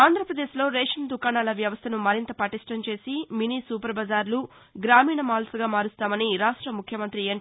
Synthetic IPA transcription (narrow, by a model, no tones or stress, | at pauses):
aːnd̪ɾɐpɾɐd̪eːʃlo̞ːɾeːʂɐnd̪ukaːnaːlɐʋjɐʋɐst̪ʰɐnumɐɾint̪ɐpɐʈiʂʈɐmt͡ʃe̞ːsiminisuːpɐɾbɐd͡ʒaːɾlu | ɡɾaːmiːɳɐmaːlsɐɡaːmaːɾust̪aːmɐniɾaːʂʈɾɐmukʰjɐmɐnt̪ɾieːɳ